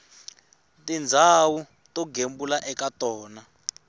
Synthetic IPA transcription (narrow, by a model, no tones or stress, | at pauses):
tind͡zʱawu | tɔɡʱembulaʔɛkatɔːna